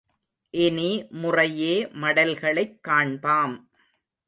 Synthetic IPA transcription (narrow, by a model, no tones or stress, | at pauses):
ʔɛnimʊrɐjeːmɐɽɐlɣɐɭɐɪkːaːɳbaːm